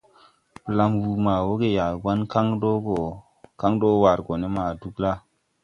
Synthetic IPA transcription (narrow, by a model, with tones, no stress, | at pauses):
pə˨la˦mwu˨ma˨wo˦ɡe˨ja˨ɡa˦nka˦ŋdo˦ɡo˨ | ka˦ŋdo˦wa˨ɾɡo˨ne˦ma˨du˦kla˦